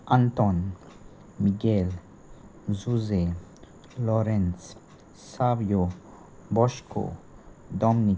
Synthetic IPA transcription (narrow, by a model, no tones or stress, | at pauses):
ʔant̪ɔn | miɡel | zuze | loɾɛnsː | avjo | bɔʃkʰo̰d̪ɔmni